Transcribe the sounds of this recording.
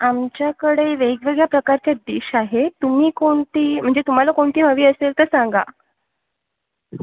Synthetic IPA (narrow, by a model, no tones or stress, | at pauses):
amt͡ɕjakəɽeʋeɡʋeɡɭjapɾəkaɾt͡ɕjad̪iɕaɦet̪um̤iːkoɳt̪iːm̤əɳd͡zet̪um̤alakoɳt̪iːɦəʋiːəselt̪əɾsaŋɡa̰